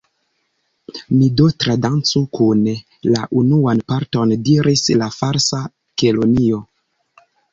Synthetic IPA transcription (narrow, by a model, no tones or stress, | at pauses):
midotɾadant͡sukun | laʔunuanpaɾto̞ndiɾʔislafaɾsa | kelonio̞